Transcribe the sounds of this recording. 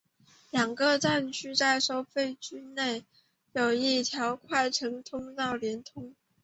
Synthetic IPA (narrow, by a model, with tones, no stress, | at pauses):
ljɑ˨˩ŋɡə˧ʈ͡ʂa˥˧nt͡ɕʰy˥t͡sa˥˩ɪʂo˥ʊfe˥˧ɪt͡ɕy˥ne˥˩ɪ | jo˨˩ʊi˥˩t̪ʰjɑ˧˥ʊkʰwa˥˩ɪʈ͡ʂʰɤ˧˥ŋt̪ʰʊ˥ŋt̪ɑ˥˩ʊljɛ˧˥nt̪ʰʊ˥ŋ